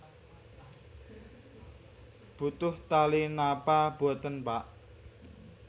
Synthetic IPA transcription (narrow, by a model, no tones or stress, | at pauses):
b̥ṳt̪ʊht̪alinapab̥o̤t̪ənpaʔ